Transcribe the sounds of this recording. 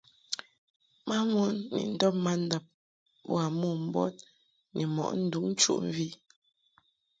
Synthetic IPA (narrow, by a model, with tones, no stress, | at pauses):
ma˦mu˦nːḭ˨n̩˨dɔ˦p̚ma˦n̩˦da˨p̚ | bw̰a˨mu˦˨m̩˦bɔ̰˦t̚ | ni˨mɔ̰˨ʔn̩˦du˨˦ŋn˦t͡ʃṵ˦ʔm˦vi˦